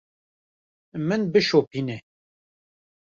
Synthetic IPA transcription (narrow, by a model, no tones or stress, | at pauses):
mɨnbɨʃopiːnɛ